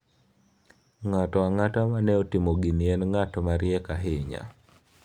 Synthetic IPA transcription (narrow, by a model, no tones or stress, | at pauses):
ŋatɔaŋatamanɛotimoɡiniɛnŋatɔmaɾiɛkaɦɪɲa̰